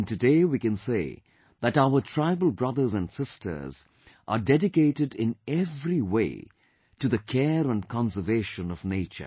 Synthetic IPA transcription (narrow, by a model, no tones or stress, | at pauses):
ntɨdeɪwikɨ̃nsḛː | ðætaʊətʰɹ̥aɪbəl̩ˠbɹʌðə˞zə̃ndsɪstʰə̰˞z | ʔə̰dɛdɪkeɪɾɨdɪ̃nɛvɾiwḛɪ | tɨðɨkʰɛɾə̃nkʰɑ̃nsə˞veɪʃə̃nʌvneɪt͡ʃə̰